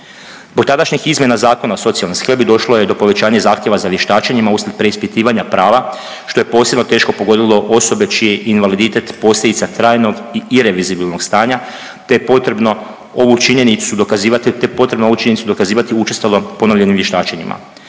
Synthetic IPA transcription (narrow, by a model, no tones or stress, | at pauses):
zbok̚t̪ad̪aʃɲixizmje̞nazaːko̞naoso̞t̪sialniskebid̪o̞ʃlˠojed̪o̞po̞ʋe̞t͡ɕaːɲezaːxt̪ʲje̞ʋazaʋje̞ʃt̪aːt͡ʃeɲimauslʲed̪pɾe̞ispit̪iːʋaɲapɾaːʋa | ʃt̪o̞jepo̞ːsje̞bnot̪e̞ːʃko̞po̞ɡo̞d̪ilˠo̞ʔo̞sobe̞t͡ʃije̞ʔinʋalid̪it̪e̞t̪po̞ːslʎʲed̪it̪sat̪ɾaːjno̞ɡiiɾe̞ʋizibilˠno̞ɡst̪aːɲa | t̪eepot̪ɾebno̞ | o̞ʋut͡ʃiɲe̞nit̪sud̪okaziat̪t̪epo̞t̪ɾebnout͡ʃiɲenisud̪o̞kaziːʋat̪iut͡ʃest̪alˠo̞po̞noʎe̞nimʋjeʃt̪aːt͡ʃeɲḭma̰